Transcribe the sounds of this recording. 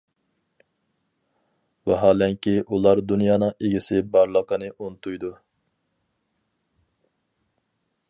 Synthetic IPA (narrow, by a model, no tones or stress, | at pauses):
wɛɦɑːlɛŋkʲiʔulˠɑɾd̪unjɑːnɨŋeɡʲisɪbɑɾlˠəqənɨʔont̪ʰujd̪u